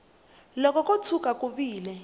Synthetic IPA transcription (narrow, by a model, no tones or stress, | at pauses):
lɔkɔk̬ʼot͡sʰuk̬ʼakʼuɓiːlɛ